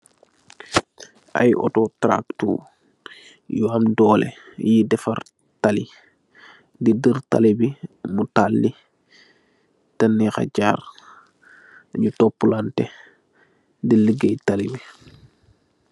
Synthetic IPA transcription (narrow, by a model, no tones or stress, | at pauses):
ʔa̰jʔɔ̰tɔtɾa̰ktṵ | juamdɔːlɛ̰jidɛfɐr | tali | didərta̰libimutalːi | tɐnːixa̰ɟaːr | ɲutɔpːulantɛ | diləɡejtalibi